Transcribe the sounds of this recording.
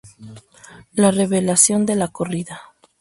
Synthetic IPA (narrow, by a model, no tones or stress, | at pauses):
lare̞βe̞lasjo̞nd̪e̞lako̞riða